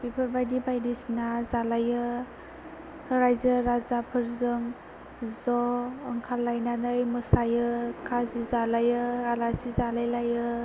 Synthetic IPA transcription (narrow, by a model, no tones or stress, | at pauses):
bipʰɯɾbajdibajdisnazalajɯ | hɯɾajzɯɾazapʰɯɾzɯŋ | zɔːŋkʰalːajnanɯjmɯsajɯkʰazizalajɯalasizalajlajɯ